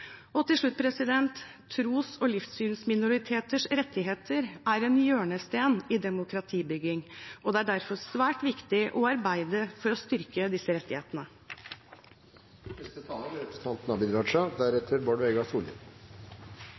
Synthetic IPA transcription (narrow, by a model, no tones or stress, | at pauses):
ɔt̪ɪlʂɭʉt̪̚ːpʰɾɛsɪd̪ɛnt̪ʰː | ɾuːsɔlɪfsyːnsmɪnʊɾɪt̪ʰeːt̪əʂɾɛt̪ːɪɦeːt̪ʰəɾæɾɛnjøːɳəst̪eːnɪd̪ɛmʊkʰɾɑt̪ʰiːbʏɡɪŋɔd̪ɛæɖæɾfɔɾsʋæːʈʋɪkt̪ɪʔɔɑɾbæɪd̪əfɔɾɔst̪ʏɾkəd̪ɪsːəɾɛt̪ːɪhḛːt̪ənə | nɛst̪ət̪ʰɑːləɾɾɛpɾɛst̪ʰɑnt̪nɑbɪd̪ɾɑːʂɑd̪æɾɛt̪ʰəɾboːɖʋɛɡɑsuːlə̰